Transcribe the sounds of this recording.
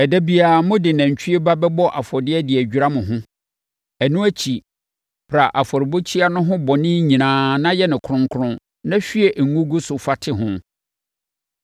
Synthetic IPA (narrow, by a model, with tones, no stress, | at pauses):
ɛ˨dæ˦bi˨a˨mʊ̃˦dɪ˨nã˨ɲ̩˨t͡ɕʰᶣi˦e˦ba˦bɛ˦bɔ˦ʔa̰˨fɔ˨dɪ˦ɛ˦dɪ˨æ˨d͡ʑᶣɾa˦mʊ̃˨ɦʊ̃˦ | æ˨nũ˦æ˦t͡ɕʰi˨ | pʰɾa˨ʔa˨fɔ˨ɾɪ˨bo˦t͡ɕʰi˦a˦nʊ̃˦ɦʊ̃˦bɔ˨nɪ̃˦ɲĩ˨nãː˨˦nã˦jɛ˦nɪ̃˨kʰʊ˨ɾʊ̃˨ŋkʰʊ˦ɾʊ̃˦ | nã˦ɕᶣi˦ɛ˨ʔŋ˨ŋũ˦ɡu˦sʊ˨fa˦tʰɪ˦ɦʊ̃˦